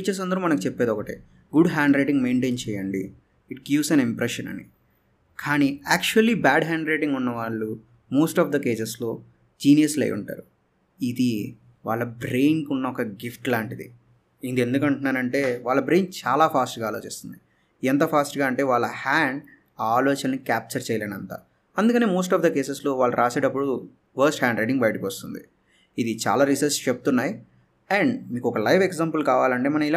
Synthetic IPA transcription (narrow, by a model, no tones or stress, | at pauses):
t͡ʃes̬ɐnd̪ɐɾumɐnɐkut͡ʃɛpːeːd̪ɔkɐʈḭː | ɡuɖɦaːɳɖɾejʈiŋɡme̞ːɳʈe̞ːnt͡ʃɛːjɐɳɖḭː | ʈ̚ɡiːʋsɐnimpɾɛʃɐnɐ̰nḭ | kʰaːniæːk̚t͡ʃuɐlːibaːɖɦaːɳɖɾejʈiŋɡunːɐʋaːɭːu | moːsʈaːfd̪ɐke̞ːd͡ʒeslo̞ː | d͡ʒiːnijɐslḛjṵɳʈa̰ːɾu | id̪i | ʋa̰ːɭːɐbɾe̞ːjnkunːɐɔkɐɡifʈlaːɳʈid̪ḭ | ind̪e̞nd̪ukɐɳʈunːaːɾɐɳʈe̞ːʋaːɭːɐbɾejnt͡ʃaːlaːpʰaːsʈɡaːloːt͡ʃist̪und̪i | ɛnt̪ɐpʰaːsʈɡaːɐɳʈe̞ːʋaːɭːɐhaːɳɖ | aːloːt͡ʃɐnɐnikaːp̚t͡ʃɐɾt͡ʃɛːjɐlenɐnt̪a̰ː | ɐnd̪ukɐneːmoːs̬ʈaːfd̪ɐke̞ːseslo̞ːʋaːɭːɐɾʔaːseːʈɐpːuɽu | pʰɐɾsʈhaːɳɖɾeɖiŋɡbɐjʈikiʋɐst̪und̪i | id̪it͡ʃa̰ːlaːɾisɐɾst͡ʃebut̪unːaːji | ɛɳɖmiːkuɔkɐlɐjʋʰekzaːmpɐlkaːʋaːlɐɳʈe̞ːmɐnɐmilaː